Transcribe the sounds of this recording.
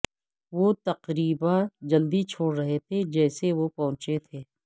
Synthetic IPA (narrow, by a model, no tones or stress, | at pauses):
ʋot̪ɐqɾiːbad͡ʒɐld̪it͡ʃʰoːɽɾɐɦet̪ʰed͡ʒɛːseʋopɐɦʊ̃t͡ʃet̪ʰeː